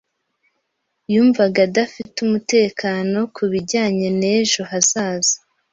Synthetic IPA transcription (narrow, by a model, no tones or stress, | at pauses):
juːɱvaɡadafitumute̞ːkaːno̞kuβiɟaːɲe̞ne̞ːʒoɦaz̥aːzḁ